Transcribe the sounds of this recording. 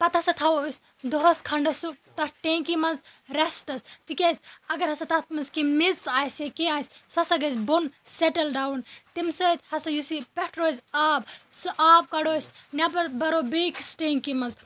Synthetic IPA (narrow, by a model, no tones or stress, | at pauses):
pɐt̪ʰɐsɐt̪ʰɐʋos | d̪ɔɦoskʰɐɳɖɐsuk̚t̪ɐʈeŋkimɐnzɾesʈɐst̪ikʲesɐɡɐɾɦɐsɐt̪ɐt̪ʰmɐnzkimitt͡saːjsekeaːjsʲsɐsɐɡɐzbonseʈɐlɖawnt̪imsət̪hɐsɐjusipeʈɾoːzaːbsʔaːb̚kɐɽoːsnʲɐpɐɾbɐɾobiksʈeŋkimɐz